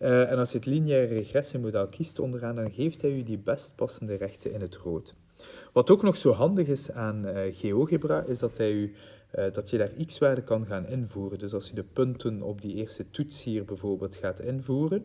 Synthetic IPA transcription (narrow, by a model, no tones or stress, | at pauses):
ɛnɑlˠsjəɦətliniɛːrərəxrɛsimodɛlˠkʰistɔ̰ndəraːndɑnɣeːftɦɛjydibɛst̚pɑsəndərɛxtənɪnɦətroːt | ʋɑtoːknɔxsoːɦɑndəɣɪsaːnɣeːoːɣebrɑʔɪzdɑtɦɛjy | dɑtjədaːriksʋaːrdəkɑnɣaːnɪnvuːrəndɵsɑlˠsjədəpɵntənɔ̰b̚dieːrstətutshiːrbɛvoːrbeːlˠtxaːtɪnvuːrən